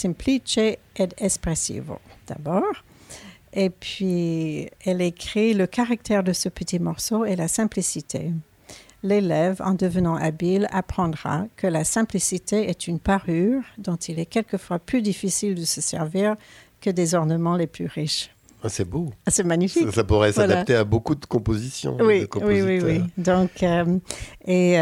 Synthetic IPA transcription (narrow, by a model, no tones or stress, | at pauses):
sɛ̃mplit͡ʃeɛd̪ɛspχɛsḭvo̰d̪̥a̰bɔːʁ | epɥi | ɛlekχiləkaʁak̚t̪ɛʁd̪əsəpət̪ʰimɔʁsoelasɛ̃plisit̪ʰḛ | lelɛvɑ̰̃d̪əvənɑ̃ʔabilapχɑ̃d̪ʁa̰kʰəlasɛ̃plisit̪eɛt̪ynpaʁyʁd̪ɔ̃t̪ilɛkʲɛlkəfwaplyd̪ifisild̪əsəsɛʁviʁ | kəd̪ezɔʁnəmɑ̃leplyʁiʃ | asɛbosɛmaɲifiksapuʁɛsvaad̪aapt̪eabokud̪əkɔ̃pozisjɔ̰̃wikɔ̃wiwiwwid̪ɔ̃kə | e